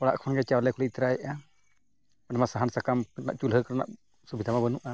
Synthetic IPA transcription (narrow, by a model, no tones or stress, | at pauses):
ɔɽa̰ʔkʰɔnɡɛt͡ʃawlɛkʰɔliit̪ɾaɛʔa | aɖɛmasaɦansakamkɾna̰ʔt͡ʃulɦəjkaɾna̰ʔ | subid̪ʱamabənuʔa